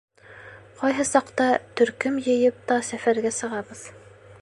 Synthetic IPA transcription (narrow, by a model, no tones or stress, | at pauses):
qɑjɦɤsɑqt̪ɑt̪ɵ̆ɾkɵmjɘ̆jɘp̚t̪ɑsæfæɾɡæsɤ̆ʁɑβɤð